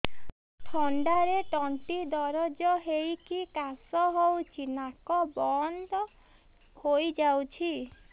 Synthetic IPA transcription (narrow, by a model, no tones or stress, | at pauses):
ʈʰɔɳɖaɾeʈɔɳʈid̪ɔɾɔd͡ʒɔɦejkikasɔɦowt͡ʃʰinakɔbɔnd̪ɔ | hojd͡ʒawt͡ʃʰi